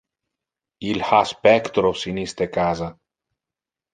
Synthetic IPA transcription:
ilhaspɛkt̪ɾofsinist̪ekazɐ

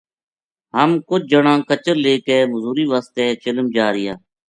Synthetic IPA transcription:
ɦəmkʊt͡ʃd͡ʒəɳãːkət͡ʃəɾleːkeːməzuːɾiːʋaːst̪eːt͡ʃɪləmd͡ʒaːɾɪjaː

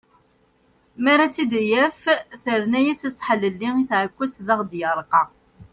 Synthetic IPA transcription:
mæɾˤat͡sːid̪æjæfθəɾnæjæt͡sːəsˤħələlːiiθʕəkʷːæsðæʁd̪jəɾˤqɑ

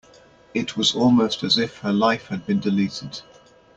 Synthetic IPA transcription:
ɪʔʰwɒzɔːlˠməʊstəzɪfhəlaɪfhəd̚bĩndɪliˑtʰɪd̥

